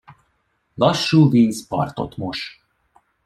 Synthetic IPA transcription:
lɒʃːuːviːzpɒ̰rt̪o̞̰t̪mo̞ʃ

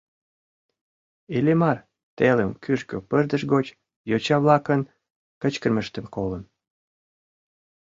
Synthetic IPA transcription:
elemɑr | t̪eləmkyʃkøpərd̪ə̆ʃɣot͡ɕ | jot͡ɕɑβlɑkən | kə̆t͡ɕkərməʃt̪ə̆mkolən

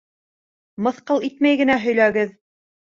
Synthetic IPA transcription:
mɤ̆θqɤlˠit̪mæjɡɘ̆næɦɵ̆jlæɡɘð

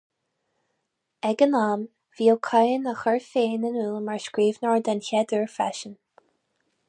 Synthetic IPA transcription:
ɛɡənam | v̥iːlˠkʰajənəxəɹfeːnənuːlmaɹskɹiːvnɔɹd̪ançɛd̪əɹfa̰ʃən

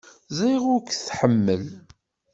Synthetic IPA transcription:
ziʁʊɾkθħəmːəl

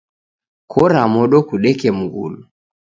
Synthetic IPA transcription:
kʰɔɾamɔɗɔkuɗɛkɛm̩ɡṵlu

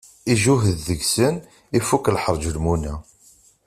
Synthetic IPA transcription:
iʒuɦəðːəɡsən | ifuklħəɾˤd͡ʒəlmunæ

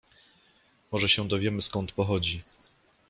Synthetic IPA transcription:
mɔʐɛɕɛ̃d̪ɔvʲjɛmɘskɔnt̪pɔxɔd͡ʑi

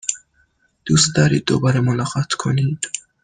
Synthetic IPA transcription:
d̪̥usd̪aɾid̪ɔ̰baɾemɔnaqat̪ʰkʰonid̪̥

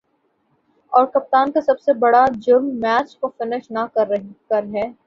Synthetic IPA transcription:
ɔːɾkɐp̚t̪aːnkasɐbsebɐɽad͡ʒʊɾmːɛːt͡ʃkofɪnɪʃnakɐɾɐkɐɾɦɛː

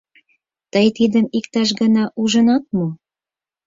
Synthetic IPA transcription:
t̪əjt̪id̪əmikt̪ɑʃ̬ɡənɑʔuʒə̆nɑt̪̚mo

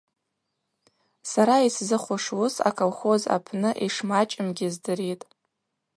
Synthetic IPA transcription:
saɾaiszɨχʷʊʂwʊsa̰kʰʼolχo̞za̰pʰnɨʔiʂmat͡ʃʼɪmɡʲɪzdɨɾitʼ

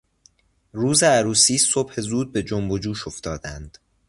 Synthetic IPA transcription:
ruːzeæɾuːsiːso̞bhe̞zuːd̪̚be̞d͡ʒombod͡ʒuːʃo̞ft̪ɒːd̪ænd̪̥

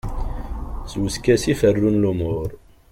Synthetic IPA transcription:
swəskæsifərːunlumʊɾ

